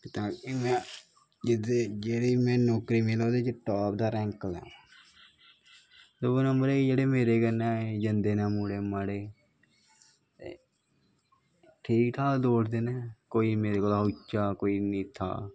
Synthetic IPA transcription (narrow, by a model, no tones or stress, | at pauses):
t̪aːeːmɛ̃ː | d͡ʒɪd̪eːd͡ʒeːɽiːmɛ̃ːnɔːkɾiːmɪlaːd̪eːd͡ʒeʈɔːp̚d̪aːɾɛ̃ːŋkəlɛ̰ː | d̪oːonəmbəɾeid͡ʒeːɽeːmeːɾeːkənɛ̃ːd͡ʒənd̪eːnãːmuːɽeːmaɽeː | t̪ḛː | ʈʰiːkʈ̪ʰaːd̪oːʈd̪eːnɛːkoːiːmeːɾeːkoːlaːɦoːt͡ʃːaːkoːiːnĩːt̪ʰa̰ː